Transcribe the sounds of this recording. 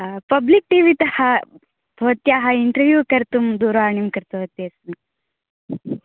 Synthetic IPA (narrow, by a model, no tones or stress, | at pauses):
pɐblik̚ʈiʋit̪ɐhɐ | bʱɐʋɐt̪jaːɦɐiɳʈɐɾʋjuːkɐɾt̪umd̪uːɾaːɳjumkɐɾt̪uɦɐt̪ːeɐsni